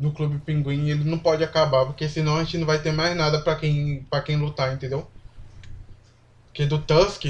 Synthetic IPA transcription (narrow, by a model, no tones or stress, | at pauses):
nʊklubɪpĩɡwĩɲelɪnɐ̃w̃pɔd͡ʒɪakabapoɾkesɪ̃nɐ̃w̃ɐʒẽt͡ʃɪnɐ̃w̃vajt̪eɾmajznad̪ɐpɾɐkẽj̃pɾɐkẽj̃lut̪aẽnt̪ẽd̪ew | pʊked̪ʊt̪ɐ̃skɪ